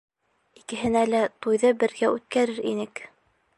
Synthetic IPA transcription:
ikɘ̆ɦɘ̆nælæt̪ujðɤbɘ̆ɾɡæʉt̪̚kæɾɘɾḭnɘk

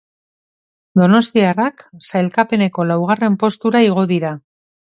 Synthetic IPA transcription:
d̪o̞no̞st̪iaraksajlkape̞ne̞ko̞lawɣ̞are̞mpo̞st̪uɾaiɣ̞o̞ðiɾa

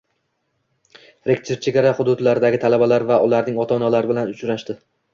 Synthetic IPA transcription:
ɾek̚ʲt̪ʰeɾt͡ʃʰeɡʲaɾaχʊd̪ʊd̪laɾɪd̪aɡʲɪt̪ʰalabalaɾvaʊlaɾnɪŋɒt̪ʰɒnalaɾɪbɪlanʊt͡ʃʰɾaʃt̪ɪ

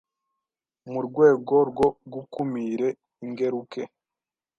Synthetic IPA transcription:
muɾɡwe̞ːɡo̞ɾɡo̞ɡukumiɾe̞ | iŋɡe̞ɾuke̞

